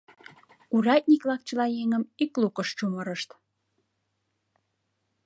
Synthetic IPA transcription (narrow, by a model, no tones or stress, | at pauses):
uɾɑt̪̚ʲnʲiklɑk̚t͡ɕəlɑjeŋəmiklukəʃt͡ɕuməɾəʃt̪